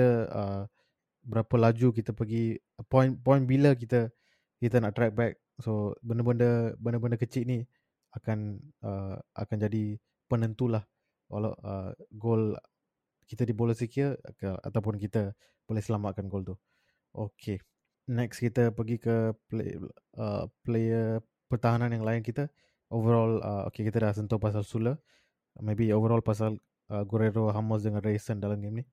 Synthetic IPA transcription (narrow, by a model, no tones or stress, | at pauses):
əə | bəɾapəlad͡ʒukit̪əpəɡi | pɔnpɔjnbilək̬it̪ə | kit̪ənaʔt̪ɾɛk̚bɛk̚ | sobəndəbəndəbəndəbəndəkət͡ʃɪʔni | akanəa̰kand͡ʒadi | pənənt̪ulah | wʔa̰la̰wə̰ɡol | kit̪ədiboləsikiəəa̰t̪awpʊnkit̪ə | b̥olɛhsəlamaʔ̚kanɡolt̪u | ʔokʰe | nɛkskit̪əpəɡikəplḛ | ə̰plejə | pərt̪aɦanãnjaŋlaɪnkit̪ə | ʔovəɾɔlə̰o̰kekit̪ədas̬ənt̪opas̬alsulə | mebiovəɾɔlpas̬al | ʔəɡoɾeɾoɦaməs̬dəŋãnresəndalamɡemni